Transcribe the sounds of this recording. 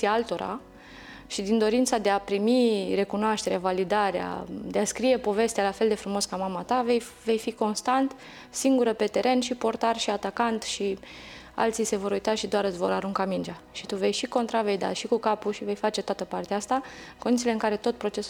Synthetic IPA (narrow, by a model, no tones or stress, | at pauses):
ialt̪o̞ɾa̰ | ʃid̪ind̪o̞ɾint̪sad̪e̞apɾimiɾe̞kunoaʃt̪e̞ɾeavalid̪aɾea̰d̪e̞askɾije̞po̞ve̞st̪ealafe̞ld̪e̞fɾumo̞skamamat̪avej | ve̞jfiko̞nst̪ant̪ | siŋɡuɾəpe̞t̪e̞ɾʔe̞nʃipo̞rt̪arʃiat̪akant̪ʃi | a̰lt̪sijse̞vo̞ɾujt̪aʃid̪oaɾɨt̪sʲvo̞̰ɾaɾuŋkamind͡ʒa | ʃi̥t̪uve̞jʃiko̞nt̪ɾave̞jd̪a̰ʃikukapuʃive̞jfat͡ʃe̞t̪oat̪əpart̪eaast̪aɨkonit̪sileɨŋkaɾe̞t̪o̞t̪̚pɾo̞t͡ʃe̞s